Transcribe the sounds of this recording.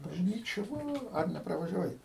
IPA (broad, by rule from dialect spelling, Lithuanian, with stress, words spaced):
bɐʒʲˈnʲiːt͡ʃʲɛ ˈʋɐ ɐr nʲɛprɐʋɐʒʲɛˈʋɐɪ